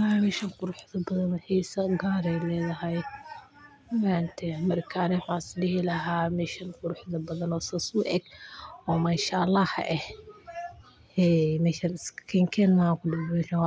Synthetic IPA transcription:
mɪʃɐŋqʊɾʊħðɐbɐðɐnhiːsɐɡaːɾɛjlɛːðɐɦɐj | waːnt̪ʰɛmɐɾkʰaːnɪwħaɪsɗɪhɪlɐɦaːmɪʃɪnqʊɾʊħðɐbɐðɐnɔːsɐsʊʔɛɡɔːmaːʃalːɑːhʔɛh | ɛmɛʃɐnɪskʰɛŋkʰɛnmakʊdɪhmɛʃɐn

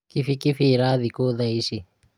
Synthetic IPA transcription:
kifikifiɾaðikoðaiʃi

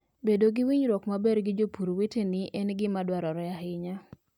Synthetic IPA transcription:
bedoɡɪwiɲɾɔkmabeɾɡɪd͡ʒopuɾwetenɪʔɛnɡɪmadwaɾɔɾɔjaɦɪɲa

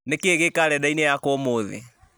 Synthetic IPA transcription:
nekeɣekaɾɛdainejakomoðḛ

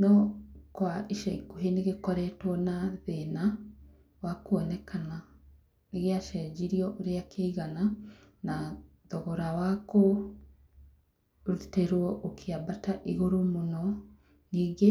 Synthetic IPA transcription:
nɔkwaʔiʃɛikuɦeneɣekɔɾɛtwɔnaðena | wakuɔnɛkana | neɣeaʃɛd͡ʒiɾiɔʔoɾeakʰeiɣana | na | ðɔɣoɾawako | ɾteɾwɔʔokʰeabataʔiɣoɾomonɔ | niːɡe

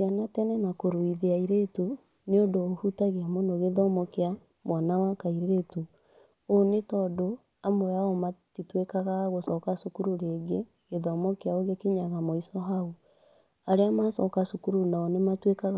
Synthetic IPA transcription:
sianatɛnɛnakoɾoiðeaiɾetu | neodoːhutaɣeamonoɣeðɔmɔkea | mwanawakaiɾeɾetu | onetɔdo | amoɾaɔmatitwekaɣaɣosɔkasukuɾuɾeːɡe | ɣeðɔmɔkeaoɣekeɲaɣamoisɔɦau | aɾeamasɔkasukuɾunaɔnematwekaɣa

